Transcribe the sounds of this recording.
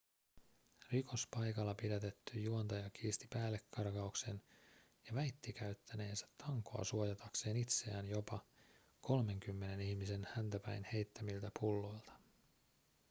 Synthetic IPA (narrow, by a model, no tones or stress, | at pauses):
riko̞spɑjkɑlːɑpidæt̪e̞t̪ːyjjuont̪ɑjɑk̟ʰiːst̪i̥pæːlːe̞kːɑrkɑukse̞n | jɑʋæjt̪ːikæyt̪ːæne̞ːnsæ̥t̪ːɑŋko̞̰ɑ̰suojɑt̪ɑkse̞ːnit̪se̞æːnjo̞pɑ | ko̞lme̞ŋk̟ymːe̞ne̞nihmise̞nhænt̪æpæ̰jnhe̞jt̪ːæmilt̪æpulːo̞jlt̪ɑ̥